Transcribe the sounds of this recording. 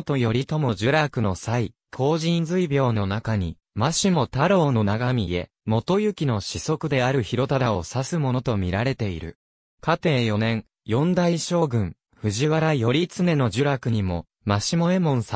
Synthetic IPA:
t̪o̞jo̞ɾʲit̪o̞moʑɨɾakɯ̟no̞sai | kʰo̞ːʑĩnzɨibʲjo̞ːno̞nakaɲ̟i | maɕimo̞t̪aɾo̞ːno̞naɡamʲie̞̰ | mo̞t̪o̞jɯ̟kʲino̞ɕiso̞kɯ̟d̪e̞aɾɯ̟çiɾo̞t̪ad̪ao̞sasɨmo̞no̞t̪o̞mʲiɾaɾe̞t̪e̞ḭɾɯ̟̰ | kat̪e̞ːjo̞nẽ̞ŋ | jõ̞nd̪aiɕo̞ːɡɯ̟̃ŋ | ɸɯ̟ʑiβaɾajo̞ɾʲit͡sɨne̞no̞ʑɨɾakɯ̟ɲ̟imo̞ | maɕimo̞e̞mõ̞ɰ̃sa

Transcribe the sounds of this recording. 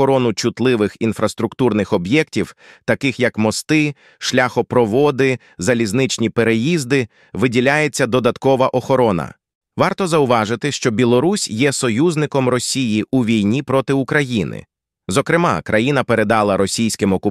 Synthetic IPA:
ɔɾɔnʊt͡ʃʊt̪lˠɪʋɪxinfɾɐst̪ɾʊkt̪urnɪxɔbjɛk̚tʲiwt̪ɐkɪxjɐkmɔst̪ɪ | ʃlʲaxɔpɾɔʋɔd̪ɪ | zɐlʲiznɪt͡ʃnʲipe̞ɾejizd̪ɪ | ʋɪdʲilʲajet͡sʲːɐd̪ɔd̪ɐt̪kɔʋɐʔɔxɔɾɔnɐ̰ | ʋɑrt̪ɔzɐʊʋɑʒɪt̪ɪʃt͡ʃɔbʲilˠɔɾusʲjɛsɔjuzʲnɪkɔmrɔsʲijiʔuʋʲijnʲipɾɔt̪ɪʊkɾɐjinɪ̰ | zɔkɾɪmɑ̰kɾʔɐjinɐpe̞ɾe̞d̪ɑlˠɐɾɔsʲijsʲkɪmɔkʊ

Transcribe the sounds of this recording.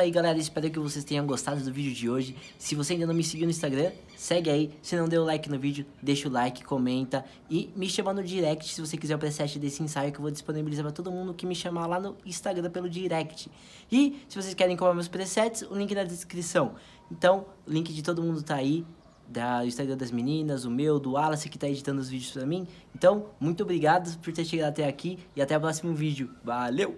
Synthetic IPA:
aiɡalɛɾɐispɛɾk̬ɪvosest̪ẽɲɐ̃w̃ɡost̪ad̪ʊd̪ʊvid͡ʒʊd͡ʒɪoʒɪ | sɪvoseaĩd̪ɐnɐ̃w̃mɪsɪɡiwnʊĩst̪aɡɾɐ̃ | sɛɡɪaisɪnɐ̃w̃d̪ewʊlajkɪnʊvid͡ʒʊd̪eʃʊlajkɪ̥komẽnt̪ɐ | ɪmɪʃɐ̃mɐ̃nd̪ʊd͡ʒiɾɛk̚t͡ʃɪ̥sɪvosekizɛɾʊpɾesɛt͡ʃɪd̪esɪẽsajʊkewvod͡ʒisponibilizaɾpɾɐt̪od̪ʊmũnd̪ʊkɪmɪʃɐmalanʊĩst̪aɡɾɐ̃pelʊd͡ʒiɾɛkt͡ʃɪ̥ | ɪsɪvos̬ejskɛɾẽj̃kõmɾamewspɾesɛt͡ʃɪ̥sʊlĩŋkɪd̪ɐd̪eskɾisɐ̃w̃ | ẽnt̪ɐ̃w̃ʊlĩŋkɪd͡ʒɪt̪od̪ʊmũd̪ʊt̪aːi | d̪ɐʊĩst̪aɡɾɐ̃d̪ɐzminĩnɐzʊmewd̪ʊalɐsɐ̃kɪ̥t̪aed͡ʒit̪ɐ̃nd̪ʊzvid͡ʒʊspɾɐmĩẽnt̪ɐ̃w̃mũj̃t̪ʊobɾiɡad̪ʊpoɾt̪eɾʃeɡaɾat̪ɛakiɪat̪ɛapɾɔsimʊvid͡ʒʊvalew

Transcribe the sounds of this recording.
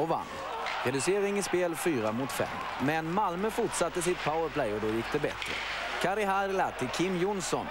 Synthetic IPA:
ɔva̰nː | ɾɛd̪ɵseːɾɪŋɪspeːlfyːɾamʊt̪fɛ̰mː | mɛnmalmœfʊʈʂat̪ːəs̬ɪt̪̚pʰawəɾpʰlɛjɔd̪oːjʏk̚t̪əbɛ̰t̪ɾə̰ | kʰaɾɪɦaɾlat̪ʰːɪkʰɪmːjʊnsɔn

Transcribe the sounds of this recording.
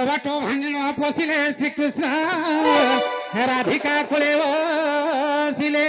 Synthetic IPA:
ɔbaʈobʱãninɔpɔsilesɾikɾusnɔ | ɦeɾad̪ʱikakoɭeɔ | sile

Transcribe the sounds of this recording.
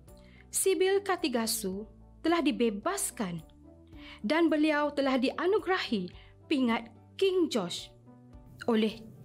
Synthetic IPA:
sibilkat̪iɡasu | t̪əlahdibebaskan | danbəliawt̪əlahdiʔanuɡɾahi | piŋat̪̚ | kiŋd͡ʒɔs | ʔolɛh

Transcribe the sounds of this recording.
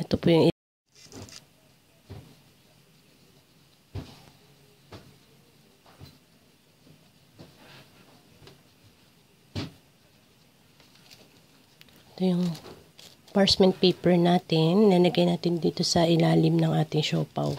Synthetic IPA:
ʔɛt̪opuːjʊŋɪ | ɛt̪ojʊŋ | paɹsmɛnt̪̚pejpɛɹnaːt̪ɪnːɐlɐɡɐjnaːt̪ɪnd̪iːt̪o̞sɐʔɪlaːlɪmnɐŋʔaːt̪ɪŋʃoːpɐ̰w

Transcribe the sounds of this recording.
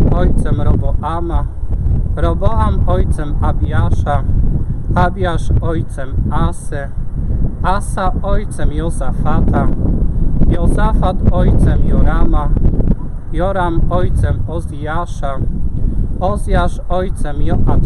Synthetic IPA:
ɔjt̪sɛmɾɔbɔʔama | ɾɔbɔamɔjt̪sɛmabʲjaʂa | abjaʂɔjt̪sɛmasɛ | asaɔjt̪sɛmjɔsafat̪ʰa | jɔsafat̪ɔjt̪sɛmjɔɾama | jɔɾamɔjt̪sɛmɔzijaʂa | ɔzjaʂɔjt̪sɛmjɔʔa

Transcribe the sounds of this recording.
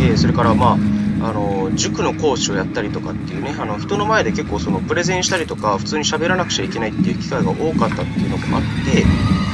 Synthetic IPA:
eso̞ɾe̞kaɾamaːano̞d͡ʑɨkɯ̟no̞ko̞ːɕio̞jat̪ːaɾʲit̪o̞kat̪ːe̞jɯ̟ːne̞ano̞çi̥t̪o̞no̞mae̞d̪e̞ke̞kːo̞ːso̞no̞pɯ̟ɾe̞zẽ̞ɰ̃ɕi̥t̪aɾʲit̪o̞kaɸɯ̥t͡sɨːɲ̟iɕabe̞ɾanakɯ̟̥t͡ɕaike̞nait̪ːejɯ̟ːkʲi̥kaiɡaʔo̞ːkat̪ːat̪ːe̞jiɯ̟nomo̰ʔat̪ːe̞

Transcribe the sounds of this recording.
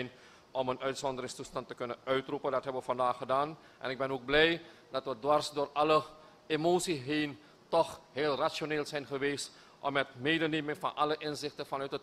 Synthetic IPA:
n | ʔɔmənœɥtsɔndəɾɪŋstustɑntəkɵnənœɥtrupəndɑtɦɛbəʋəfɑndaːχədaːn | ʔɛ̰nɪɡ̚bɛnoɡ̚blɛjdɑtʋədʋɑrsdoːrɑlə | emoːsiɦeːn | tɔχɦeːlˠrasoneːlˠzɛjnχəʋeːst | ʔɔmətmeːdəneːmɪŋfɑ̰nʔɑ̰ləʔɪnzɪχtəfɑnœɥtət

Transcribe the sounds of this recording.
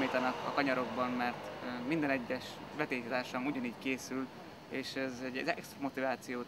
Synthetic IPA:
miːt̪ɒnɒkɒ̰kɒɲɒɾo̞ɡ̚bɒmmɛrt̪ːmind̪ɛnɛɟːɛʃʋɛt̪eːkt̪aːrʃɒmuɟɒniːɟkeːsyl | eːʃɛzɛɟːɛzɛkst̪mo̞t̪ivaːt̪sijoː

